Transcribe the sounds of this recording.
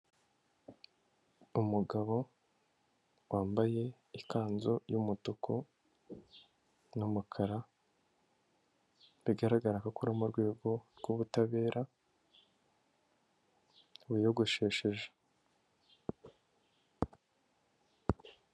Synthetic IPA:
umuɡaβo̞ | waːmbaje̞ | ikaːnzo̞jumutokʰo | numukʰaɾa | βiɡaɾaɡaɾakakuɾamuɾɡwe̞ːɡo̞ɾɡ̥uβutaβe̞ːɾʔa | βujoɡoʃe̞ːʃeʒe̥

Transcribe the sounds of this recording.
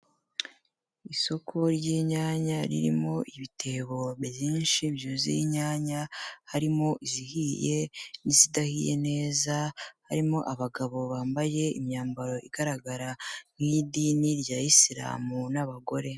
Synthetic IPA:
iso̞kʰo̞ɾɟiɲaːɲaɾḭɾḭmo̞ʔiβitʰe̞βo̞βɟiːnʃibjuzḭɲaːɲahaɾimo̞ʔizihije̞nizidahijḛne̞ːzahaɾimo̞ʔaβaɡaβo̞βaːmbaje̞imɲaːmbaɾo̞ʔiɡaɾaɡaɾaŋ̥idiniɾjaːjisiɾa̰ːmunaβaɡo̞ɾe̞

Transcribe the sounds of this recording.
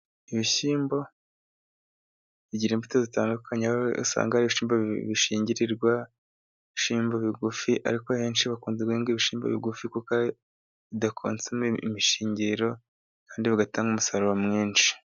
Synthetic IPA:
iβiçiːmbo̞ | βiɟiɾeːmbitozitaːndukukaɲaṵsa̰ːŋɡaaɾiβiʃiːmboβiʃiːɲɟiɾiɾɡwa | βiʃiːmboβiɡufiʔa̰ɾikoaheːnʃiβakuːnzeɡweːŋɡiβiʃiːmbo̰βiɡufikuka | βidakʰo̰ːnt͡semiḭmiʃiːɲɟiɾo̞ | kaːndiβiɡataːŋɡumusaɾowamŋiːnt͡ʃi̥

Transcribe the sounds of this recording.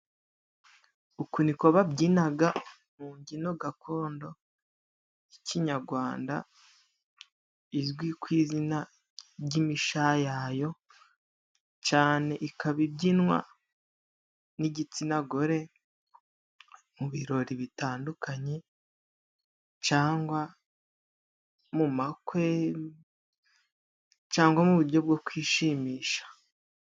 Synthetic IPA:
ukuniko̞βabɟinaɡa | muːɲɟino̞ɡakʰo̞ːndo̞ | iciɲaɾɡwaːnda̰ | izɡwikwiːzina | bɟimiʃajajo̞ | t͡ʃaːne̞ʔikaβibɟinŋwa̰ | niɟit͡sinaɡo̞ɾe̞ | muβiɾo̞ɾiβitaːndukaɲe̞ | t͡ʃaːŋɡwa | mumakwe̞ | t͡ʃaːŋɡwamuβuɾɟo̞bɡo̞kwiːʃiːmiːʃḁ

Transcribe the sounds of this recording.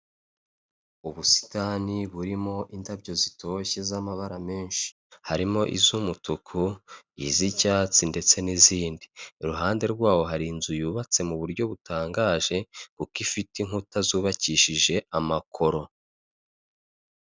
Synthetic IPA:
uβusi̥taniβuɾimo̞ʔintabjɟo̞zitʰo̞çe̞zamaβaɾame̞ːnʃi̥ | haɾimo̞ʔḭzumutukʰuḭzicaːt͡sinde̞t͡se̞niziːndiɾuɦaːnde̞ɾɡwaːwo̞ɦaɾiːnzujuːβat͡se̞muβuɾɟo̞βutʰaːŋɡaːʒe̞kukifitiŋutazuːβaciʃiʒe̞amakʰo̞ɾo̞

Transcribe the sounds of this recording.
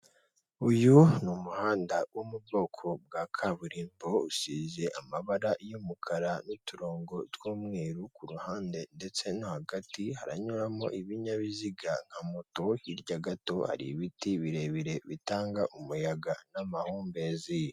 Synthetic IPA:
ujunumuhaːndawʔumub̚ɡo̞ːkʰo̞b̚ɡakʰaβuɾiːmbo̞uʃize̞ʔamaβaɾajomukʰaɾanutuɾoːŋɡo̞twoːmŋeːɾukuɾuhaːnde̞nde̞t͡se̞nohaɡatihaɾa̰ɲuɾamo̞̰ʔiβiɲaβiziɡaŋ̥hamoto̞hiɾɟaɡato̞ha̰ɾḭβitiβiɾe̞βiɾe̞βitaːŋɡaʔumujaɡanamahuːmbezij

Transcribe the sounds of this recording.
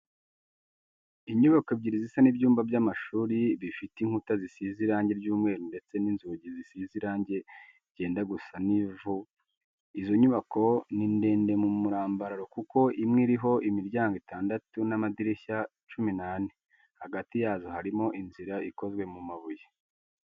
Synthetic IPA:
iɲuβakobɟiɾizisanibɟuːmbabɟamaʃuːɾiβifitiŋ̥hutazisiziɾaːɲɟe̞ɾɟuːmŋe̞ːɾunde̞t͡se̞ninzuɟizisiziɾaːɲɟe̞ | ɟe̞ːndaɡusanivu | izo̞ɲuβako̞ninde̞ːnde̞mumuɾaːmbaɾaɾo̞kuko̞imŋiɾiɦo̞ʔimiɾɟaːŋɡitʰaːndatunamadiɾeça | t͡ʃuminaːni | haɡatijaːzohaɾimo̞ʔinziɾaʔiko̞zɡwe̞mumaβuje

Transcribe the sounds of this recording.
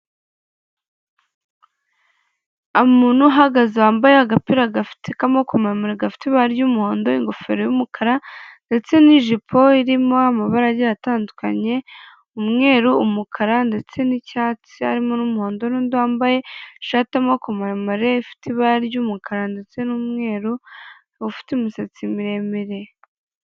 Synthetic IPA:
amuːn̥uɦaɡaziwaːmbajeaɡapiɾaɡafi̥tekamokomaɾamoɾeɡafi̥tiβaaɾɟumuho̞ːndo̞iŋɡo̞fe̞̰ɾojumukʰaɾande̞t͡se̞niʒipʰo̞iɾimo̞amaβaɾaɟejataːnduka̰ɲe̞ | umŋe̞ːɾuːmukʰaɾande̞t͡se̞nicaːt͡sia̰ɾimo̞numuhoːndonuːnduhaːmbaje̞ʃaːtamokomaɾamaɾe̞ifi̥tiβaɾɟumukʰaɾande̞t͡se̞numŋe̞ːɾu | ufi̥timisat͡simiɾe̞meɾe̞

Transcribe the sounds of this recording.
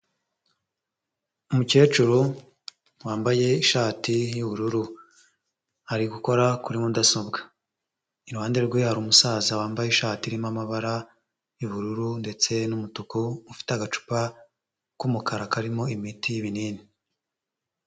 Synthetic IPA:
umuce̞ːt͡ʃuɾo | waːmbaje̞iʃaːtijuβuɾuɾu | haɾiɡuko̞ɾakuɾimudasobɡḁ | iɾhaːndeɾɾɡweaɾumusaːzawaːmbajeiʃaːtiɾimamaβaɾa | juβuɾuɾunde̞t͡se̞numutukomufi̥teaɡat͡ʃu̥pa | kumukʰaɾakaɾimo̞imitʰijiβiniːni

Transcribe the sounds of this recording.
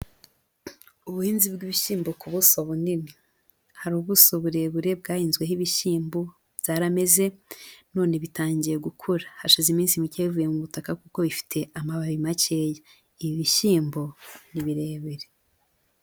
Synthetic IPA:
uβuhiːnzibɡiβiʃiːmbokʰuβusoβunini | haɾuːβusoβuɾe̞ːβuɾe̞bɡaːhiːnzɡwe̞hiβiʃiːmbo | βz̥aːɾame̞ze̞no̞ːne̞βitaːɲɟijeɡukʰuɾahaʃizimiːnsimiceːβivuje̞muβutakakuko̞βifi̥tʰe̞amaβaβimaceːja | iβiβiʃiːmboniβiɾe̞ːβeɾe

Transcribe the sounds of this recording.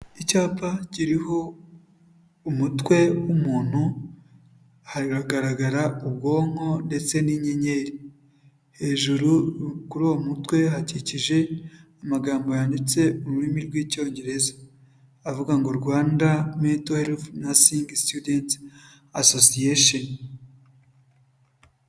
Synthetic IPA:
icaːpaciɾiho̞ | umutwe̞wumuːn̥hu | haɾiɾaɡaɾaɡaɾaub̚ɡo̞ːŋ̥ho̞nde̞t͡se̞niɲe̞ɲe̞ɾi | he̞ːʒuɾukuɾuwomutwe̞ɦaciciʒe̞amaɡaːmbo̞jandit͡se̞uɾuɾimiɾɡwiːco̞ːɲɟe̞ɾe̞zḁː | vuɡaŋɡoɾɡwaːndametoelfnasiŋɡstudent | asosieʃon

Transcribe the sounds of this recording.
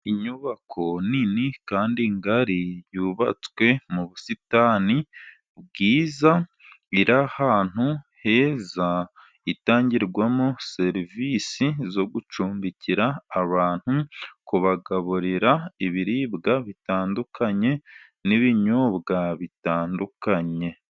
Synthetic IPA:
iɲuβakʰo̞ninikaːndiŋɡaɾijuːβa̰t͡swe̞muβusitani | b̚ɡiːza | iɾahaːn̥huhe̞ːza | itaːɲɟiɾɡwamose̞ɾivisizo̞ɡut͡ʃuːmbiciɾaːβaːn̥hukuβaɡaβuɾiɾaiβiɾiːbɡaβitaːndukʰaɲe̞ | niβiɲoːβɡaβitaːndukaɲe̞

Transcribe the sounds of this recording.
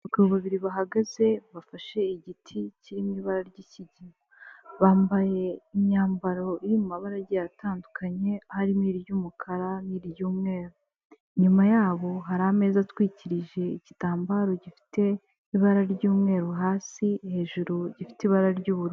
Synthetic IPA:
kuβaβiɾiβaɦaɡaze̞βafaʃe̞iɟitʰiciɾimiβaɾaɾɟiciɟiaβaːmbaje̞imɲaːmbaɾo̞iɾiumaβaɾaɟejataːndukʰaɲe̞haɾimiːɾijumukʰaɾaniːɾijuːmŋe̞ːɾo | ɲumajaːβo̞ɦaɾame̞ːzatwiːciɾiʒe̞iɟitaːmbaɾo̞ɟifi̥te̞ | iβaɾaɾɟuːmŋe̞ːɾoɦaːsihe̞ːʒuɾuɟifi̥tiβaɾaɾɟuːβuɾu

